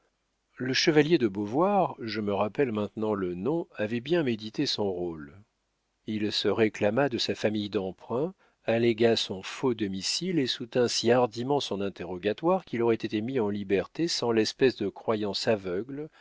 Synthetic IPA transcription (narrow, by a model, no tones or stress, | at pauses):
ləʃəvaljed̪əbovwaʁʒəməʁapɛlmɛ̃t̪nɑ̃lənɔ̃avɛbjɛ̃med̪it̪esɔ̃ʁol | ilsəʁeklamad̪əsafamijd̪ɑ̃pχɛ̃ | aleɡasɔ̃fod̪ɔmisilesut̪ɛ̃siaʁd̪imɑ̃sɔ̃nɛ̃t̪eʁɔɡat̪waʁkʲilɔʁɛt̪et̪emiɑ̃libɛʁt̪esɑ̃lɛspɛsd̪əkχwajɑ̃savœɡl